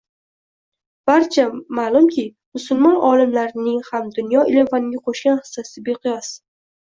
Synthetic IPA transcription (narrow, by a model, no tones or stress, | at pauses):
b̥aɾt͡ʃʰamalˠʊmkʲʰɪ | mʊsʊlˠmɒnʔɒlɪmlaɾɪnɪŋhamd̪ʊnjɒɪlevanɪɡʲaqʰoʃɡʲanhɪ̥sːasɪbeqʰɨjɒs